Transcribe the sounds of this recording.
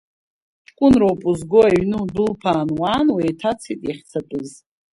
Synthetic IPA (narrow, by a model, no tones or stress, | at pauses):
ʈ͡ʂʼkʷʼʊnrowpʼuzɡoaɥnɨdɨlpʰaːnwaːnwajtʰat͡sʰitʼaχʲt͡sʰatʼɨz